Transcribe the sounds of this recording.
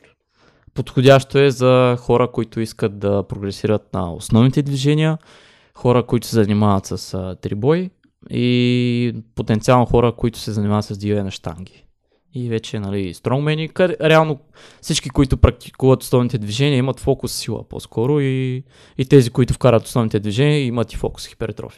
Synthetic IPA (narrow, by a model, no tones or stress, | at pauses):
pot̪xʊdʲaʃt̪oɛzɐxɔɾəkoit̪ʊiskət̪̚d̪ɐpɾoɡɾɛsiɾət̪̚nɐ̰o̰snɔvnit̪ɛd̪viʒɛnʲijə | xɔɾəkoit̪ʊ̥sɛzɐnimavət̪sɐst̪ɾibɔj | i | pot̪ɛnt̪sialˠnoxɔɾəkoit̪ʊ̥sɛzɐnʲimavət̪sɐsd̪iɛnɐʃt̪a̰ŋɡ̟ʲi̥ | ivɛt͡ʃɛnɐlist̪ɾɔŋmɛnikɐɛɾɛalˠno | fsit͡ʃkikoit̪ʊpɾɐk̚t̪i̥kuvɐt̪o̥snɔvnit̪ɛd̪viʒɛnʲiəimɐt̪fɔkʊsːilˠə̰po̰skʰɔɾʊiː | t̪ɛzikoit̪ʊfkaɾʲət̪o̥snɔvnit̪ɛd̪viʒɛnʲiəimət̪i̥fɔ̰kʊ̥sxi̥pɛɾɛt̪ɾɔ̰fi̥